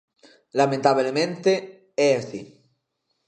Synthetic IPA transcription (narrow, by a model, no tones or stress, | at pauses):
lamẽnt̪aβlemẽnt̪e | eeθi